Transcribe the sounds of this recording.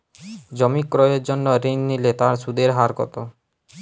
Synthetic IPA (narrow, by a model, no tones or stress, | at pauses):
d͡ʑɔmikːɾoeɾd͡ʑonːoɾenːilet̪aɾʃud̪eɾɦaɾkɔ̰t̪o